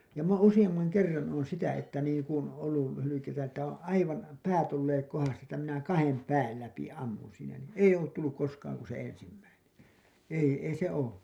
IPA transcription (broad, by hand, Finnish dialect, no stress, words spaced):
m oːn usij̆ɑmːɑŋ kerːɑn oːn sitæ etːæ niːŋ kun olːul læ hylykeitæ etːæ õː ɑiʋɑn pæːt olːeːk kohɑstɑː tːæ minæ kɑhem pæːl læpi ɑmːun siːnæ nin eij̆ olːut tulːuk koskɑːŋ ku se ensimːæinen ei ei se oː